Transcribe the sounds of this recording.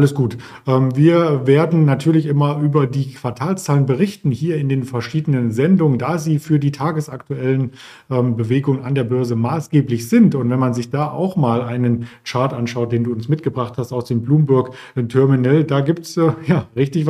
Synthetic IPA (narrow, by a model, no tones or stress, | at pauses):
ʔaləsɡ̥uːt | ʔɛːmviːɐveːɐdn̩natʰyːɐlɪçʔɪmɐʔyːbɐdiːkʰv̥aɐtʰaːlst͡saːlənbəʁɪçtn̩hiːɐɪndeːnfɛɐʃiːdənənzɛndʊŋəndaːziːfyːɐdiːtʰaːɡəsaktuɛlən | ʔɛːmbəveːɡʊŋəna̰ndeːɐbœɐzəmaːsɡ̥eːplɪçz̥ɪntʊntv̥ɛnmanzɪçd̥aːʔa̰ʊxmaːlʔaɪnənt͡ʃaɐtʔanʃaʊt̚d̥eːnduːʊnsmɪtɡ̥əbʁaχthastaʊsd̥eːmbluːmbʊɐk | tʰœɐminɛldaːɡiːp̚tsjaːʁɪçtɪçv